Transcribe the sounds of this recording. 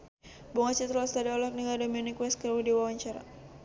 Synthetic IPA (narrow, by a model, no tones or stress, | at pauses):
bɔŋat͡ʃit̪ɾɔst̪aɾiɔlɔkniɡadɔmɔnikwɛskəwidiwawaɲt͡ʃaɾa̰